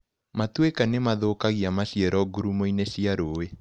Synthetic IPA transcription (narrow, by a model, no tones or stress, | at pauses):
matwekanemaðokaɣiamaɕjɛɾɔɡuɾumoineɕiaɾowe